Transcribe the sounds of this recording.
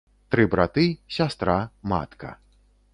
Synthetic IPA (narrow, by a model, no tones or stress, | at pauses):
t̪ɾɨbɾat̪ɨsʲast̪ɾama̰t̪kɐ̰